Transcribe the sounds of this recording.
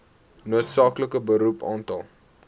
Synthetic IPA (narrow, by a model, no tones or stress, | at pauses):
nuətsɑːkləkəbəɾupɑːntɑlˠ